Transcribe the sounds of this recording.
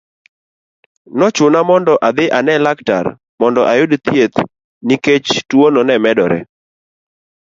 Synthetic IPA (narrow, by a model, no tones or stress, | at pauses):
nɔt͡ʃʊnamɔndɔʔad̪ɪʔanɛlakta̰ɾ | mɔndɔʔajʊdt̪jet̪ | niket͡ʃtwonɔnɛmɛdɔɾɛ̰